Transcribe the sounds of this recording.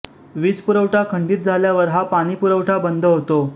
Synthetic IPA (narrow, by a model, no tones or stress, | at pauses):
ʋiːt͡spuɾəʋʈʰakʰəɳɖiːt̪̚d͡zʱaljaʋəɾɦapaɽ̃ipuɾəʋʈʰabənd̪ʱəɦot̪o